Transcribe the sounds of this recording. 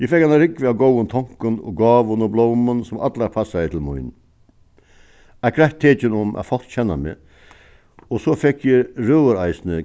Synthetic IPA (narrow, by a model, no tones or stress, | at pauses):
jɪfɛkːanaɾɪkʋɪaɡowənt̪ʰɔŋ̥kʊnɔ̰ɡɑːʋənɔblɔːmənsʊma̰t̪laɾpʰasːajət̪ʰɪlmʊ̰ɪn | ɛkʰɾaht̪ʰːeːt͡ʃɪnʊmʔa̰fɔl̥k̪t͡ɕʰɛnːa̰mɪ̰ | ɔsɔfɛkːjɪɾœːəɾaɪsnə